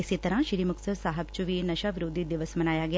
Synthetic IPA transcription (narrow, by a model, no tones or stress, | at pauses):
esit̪ɐɾãʃiɾimuksɐsaːɦɐb̚t͡ʃuʋinɐʃaʋiɾud̪ʱid̪iʋɐsmɐnaːjaːɡi